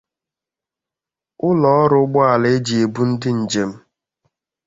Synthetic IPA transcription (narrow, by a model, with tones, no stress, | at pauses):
ʊ˦lɔ˨ɔ˦ɾʊ˦ɡ͡bɔ˦a˨le˦e˦d͡ʒe˨bu˦n̩˦dɪ˦n̩˨d͡ʒe˨m̩˦